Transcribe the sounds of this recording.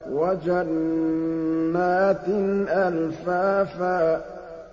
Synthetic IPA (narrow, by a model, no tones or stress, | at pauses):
wad͡ʒan | aːt̪ɪnʔalfaːfaː